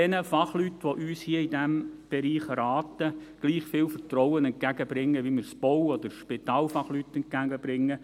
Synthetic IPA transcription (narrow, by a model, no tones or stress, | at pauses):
ɛnəfɑχlytʋoʔyːshiəidɛmb̥eɾiːχəɾɑːtəɡ̥liːχfɪːlfətrɔwənɛnt̚ɡ̥æɡ̥əb̥ɾɪŋːəʋimɪːɾsb̥ɔwɔd̪əɾʃpɪt̪ɑːlfɑχlytɛnt̚ɡ̥æɡəb̥ɾɪŋːə